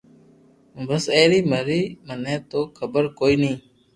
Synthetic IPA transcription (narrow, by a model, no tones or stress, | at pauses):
bəseːɾiːməɾiːmənẽːt̪oːkʰəbəɾkoːiːnĩː